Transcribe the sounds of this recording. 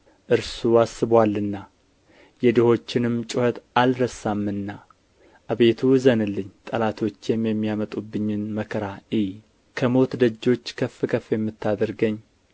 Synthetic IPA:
ʔɨɾsuasɨβwalːɨnːa | jɛd̪ɨho̞t͡ʃːɪnɨmt͡ʃʼʊhət̪alɾəsamːɨnːa | ʔaβe̞t̪ʰuzənɨlːɨɲːt̪ʼəlat̪ʰo̞t͡ʃːjɛmjɛmːijamət̪ʼubːɨɲːɪnməkʰəɾaij | kʰəmo̞t̪d̪əd͡ʒːo̞t͡ʃːkʰəfːɨkʰəfjɛmːɨt̪ʰːad̪əɾɡəɲː

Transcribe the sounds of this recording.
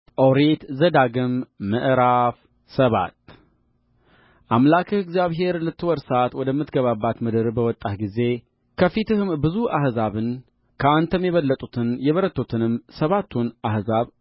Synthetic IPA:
ʔəwɾet̪zəd̪aɡɨmːəʔɾaf | səβa̰t̪ | ʔamlakʰɨɨɡzjaβɦe̞ɾlɨt̪ʰːɨwɔɾsat̪wɔd̪əmːɨt̪ɡəβabːat̪mɨd̪ɨɾbəwɔt̪ʼːat̪ɡize̞ | kʰəfit̪ʰɨhɨmbɨzuahzaβɨn | kʰəant̪ʰəmjɛβəlːət̪ʼut̪ʰɨnjɛβəɾət̪ʰːut̪ʰɨnɨmsəβat̪ʰːunahzaβ

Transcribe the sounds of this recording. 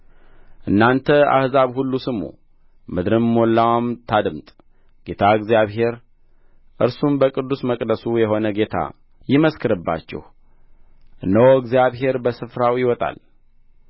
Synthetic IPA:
ʔɨnːant̪ʰəa̰hzaβhulːusɨmṵ | mɨd̪ɾɨmːolːawamt̪ʰad̪ɨmt̪ʼ | ɡ̥e̞t̪ʰaɨɡzijaβɦe̞ɾ | ʔɨɾsumbəkʼɨd̪ːusməkʼd̪əsujɛɦo̞nəɡe̞t̪ʰa̰ | jɪməskʰɨɾɨbːa̰t͡ʃːɛ̰h | ʔɨnəwoɨɡzjaβɦe̞ɾbəsɨfɾawjɪwɔt̪ʼa̰l

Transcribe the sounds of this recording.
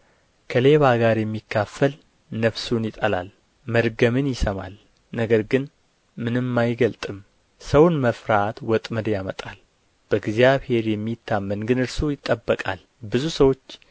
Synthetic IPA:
kʰəle̞βaɡaɾjɛmːikʰːafːəl | nəfsunjɪt̪ʼəla̰l | məɾɡəmɨnjɪsəma̰l | nəɡəɾɡɨn | mɨnɨmːajɡəlt̪ʼɨm | səwnməfɾat̪wɔt̪ʼməd̪jamət̪ʼal | b̥əɡzijaβhe̞ɾjɛmːit̪ʰːamːənɡɨnɨɾsujɪt̪ʼːəbːəkʼa̰l | bɨzusəwo̞t͡ʃː

